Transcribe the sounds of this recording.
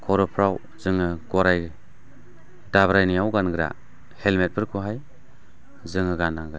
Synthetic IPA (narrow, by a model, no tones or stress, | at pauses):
kʰɔɾɔpʰɾaw | zɯŋɯɡɔɾaj | dabɾajnijawɡanɡɯɾa̰ | helmet̚bɯɾkʰuɦaj | zɯŋɯɡanaɡaj